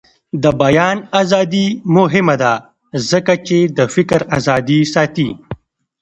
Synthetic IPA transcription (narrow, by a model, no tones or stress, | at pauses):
d̪əbajɑːnaːzɑd̪imʊɦɪmad̪a | zəkat͡ʃed̪əfɪkɾazɑːd̪isɑːt̪i